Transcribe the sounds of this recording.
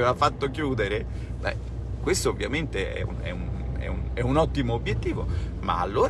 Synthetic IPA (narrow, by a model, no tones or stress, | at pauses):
eːvafat̪ːokjuːd̪eɾe | bɛ̰ | kwest̪oːvːjament̪eɛ̰ṵnɛ̰un | ɛ̰unɛunɔt̪ːimoːbjet̪ːiːvoma̰a̰lːoːɾ